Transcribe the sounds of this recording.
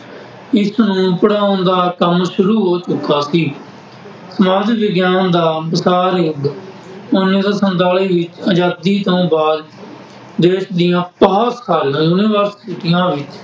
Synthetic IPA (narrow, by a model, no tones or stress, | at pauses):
ɪsnũːpəɽaːõːnd̪aːkəmʃʊɾuːɦoːt͡ʃʊkːaːsiː | səmaːd͡ʒʋɪɡjaːnd̪aːbəsaːɾjʊɡ | ʊnẽːd̪aːsənt̪aːliːʋɪt͡ʃəd͡ʒaːd̪iːt̪õːbaːd̪ | d̪eːʃd̪ɪjãːpəɦːskʰaːlãjuːniʋəɾsɪʈɪjãːʋɪt͡ʃ